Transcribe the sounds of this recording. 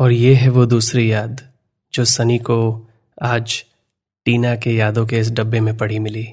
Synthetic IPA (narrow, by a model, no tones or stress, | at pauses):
ɔːɾjeɦɛʋod̪uːsɾijaːd̪ | d͡ʒoːsɐniko | aːd͡ʒ | ʈiːnakejaːd̪õk̬eɪs̬ɖɐbːemẽpɐɽ̤imɪliː